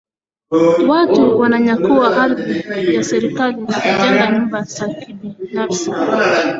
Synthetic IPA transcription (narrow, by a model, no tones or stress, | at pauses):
watuwanaɲakuwaʔaɾðijasɛɾikalinad͡ʒɛŋɡaɲumbaz̥akibinafsi